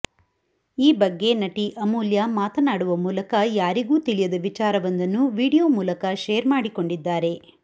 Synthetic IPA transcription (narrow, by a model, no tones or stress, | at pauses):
iːbɐɡːe̞nɐʈiʔɐmuːljaːmaːt̪ɐnaːɽuʋɐmuːlɐkɐjaːɾiɡuːt̪ilijɐd̪ɐʋit͡ʃaːɾɐʋɐnd̪ɐnːuʋiːɽijoːmuːlɐkɐʃeːɾmaːɽiko̞ɳɖid̪ːaːɾe̞